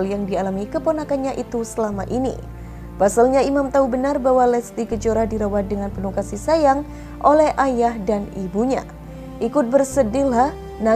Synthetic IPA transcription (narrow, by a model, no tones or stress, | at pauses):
ljaŋdialamikəponakanɲaʔit̪usəlamaʔinḭ | pasalɲaimamt̪aubənarbawalɛst̪ikəd͡ʒoɾahdiɾawat̪̚dəŋanpənukasisajaŋ | ʔolɛhʔajahdanibuɲa̰ | ʔikʊt̪̚bərsədilah | na